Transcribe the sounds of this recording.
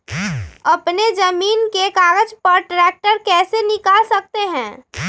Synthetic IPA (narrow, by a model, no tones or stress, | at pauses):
ɐpned͡ʒəmiːnkekaːɡəd͡ʒpəɾʈɾɛːk̚ʈəɾkɛːsenɪkaːlsək̚t̪eɦɛ̃ː